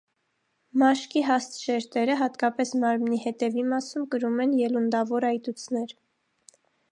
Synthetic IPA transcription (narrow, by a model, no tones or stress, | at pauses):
mɑʃkiɦɑst̪ʃɛɾt̪ɛɾəɦɑt̪kɑpɛsmɑɾmnihɛt̪ɛvimɑsumkəɾumɛnjɛlund̪ɑvɔɾɑjt̪ut͡sʰnɛɾ